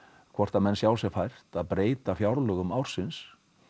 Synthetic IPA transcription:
kʰvɔr̥t̪amɛnːsjawsjɛɣfajr̥t̪aðpɾeːjt̪afjawɾlœɣʏmawɾ̥sɪns

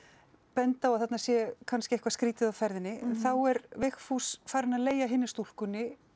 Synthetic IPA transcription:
pɛnt̪awaðθat̪nasjɛkʰanskɪɛhkvaskɾiːt̪ɪðawfɛɾðɪnːɪɛnθawɛɾvɛxfusfaːɾɪnaðleːjaɦɪnːɪst̪ul̥kʏnːɪ

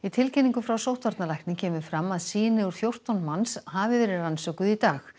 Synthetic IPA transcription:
it̪ʰɪlcɛnːiŋkʏfɾawsowht̪vaɾt̪nalajhk̪nɪcʰɛːmʏfɾamːaðsiːnɪɣʏɾ̥θjowr̥t̪awnmanshaːvɪvɛːɾɪɾransœkʏðit̪aːx

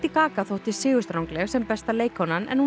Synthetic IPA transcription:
t̪ɪkaːkaθowht̪ɪsɪːɣʏst̪ɾawŋklɛɣsɛmpɛst̪aleːjkhɔnanʔɛ̰nhu

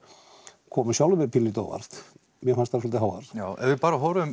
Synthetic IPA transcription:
kʰɔːmʏsjawlʏmɛpʰɪnːit̪ɔ̰ːva̰ɾ̥t̪ | mjɛfanst̪aɾsɔlt̪ɪɦawa̰ɾ̥awɛ̰vɪpaːɾaɦɔwɾʏm

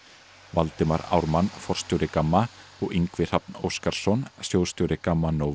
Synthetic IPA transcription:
valt̪ɪmaɾa̰ːwɾmanːfɔr̥st̪jowɾɪkamːaɔɣiŋkvɪr̥ap̚no̰wskaɾ̥sɔnsjowst̪owɾɪkamːanow

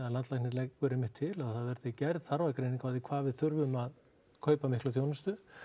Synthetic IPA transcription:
aðlant̪lajknɪɾlɛkːʏɾɪmɪht̪ʰːɪlaðθaðvɛɾðɪcɛɾðθaɾvajkɾejniŋkaðikʰvaːvɪðθʏɾvʏmað | kʰœːɥpamɪhklaθ̬joːwnʏst̪ʏ

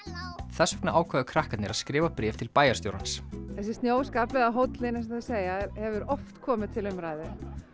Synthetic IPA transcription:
θɛsːɛknaʔaːwkʰvɛːðakʰɾahkat̪nɪɾaðskɾɪːvapɾɛːft̪ʰɪlpaːjaɾ̥st̪jowɾa̰nsθɛs̬ɪ̥st̪njoːwskaplɛɣaɦowt̪lɪnɛs̬aðɪseːjaɛɾhɛvʏɾɔft̪kʰɔːmɪðt̪ʰɪlʏmɾaːjðɪ

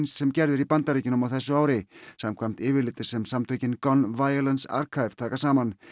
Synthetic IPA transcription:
nsːɛmcɛɾðɪɾipant̪aɾecɪnʏmawθɛsːʏaːwɾɪsamkʰvamt̪ɪːvɪlɪːt̪ɪ̥sɛmsamt̪ʰœːɥcɪnkɔnvaːjɔlɛnsa̰ɾ̥kʰajv̥t̪ʰaːkasaːman

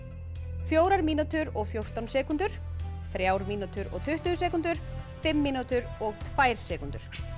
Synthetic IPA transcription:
fjoːwɾaɾmiːnut̪ʏɾɔɣfjowɾ̥t̪awnsɛːkʏnt̪ʏɾ̥θɾjaːwɾmiːnut̪ʏɾɔ̰ɣt̪ʰʏht̪ʏs̬ɛːkʏnt̪ʏɾ̥fɪmːiːnut̪ʏɾɔɣt̪ʰvaːjɾ̥sɛːkʏnt̪ʏɾ̥

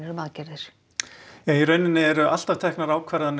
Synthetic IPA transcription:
ɛɾmaːcɛɾðɪɾ̥ | ɛiɾœːɥnɪnːɪɛɾʏʔal̥t̪aft̪ʰɛhknaɾaːwkʰvaɾðan

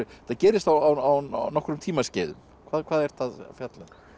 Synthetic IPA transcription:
ʏθaðcɛːɾɪst̪awawaw̰nɔhkɾʏmt̪ʰiːmasceːðʏ̰m | kʰvaːðkʰvaːðɛɾ̥θaðfjat̪lɛn

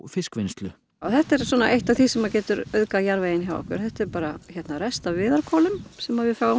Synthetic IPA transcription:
fɪskvɪnst̪lʏ | awθɛht̪ːɛɾ̥sɔnaʔejht̪aθisɛmacɛːt̪ʏɾœðkajaɾvejɪnçjawɔ̰hkʏ̰ɾ̥θɛht̪ɛɾpaːɾaçɛt̪naɾɛst̪avɪːðaɾkʰɔːlʏmsɛmavɪfjaːw

